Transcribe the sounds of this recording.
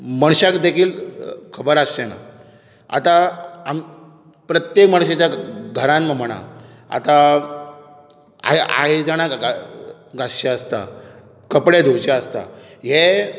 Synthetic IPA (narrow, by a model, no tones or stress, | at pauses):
məɳɕakd̪ekʰiːlkʰəbəɾastena̰ | a̰t̪aam | pɾət̪jekməɽ̃ɕet͡ɕjaɡʱəɾãnməməɽ̃a̰ | a̰t̪a | a̰a̰ɦed͡zaɽ̃aa | ɡasɕeəst̪a̰ | kəpɽed̪ʱut͡ɕaəst̪a̰ɦe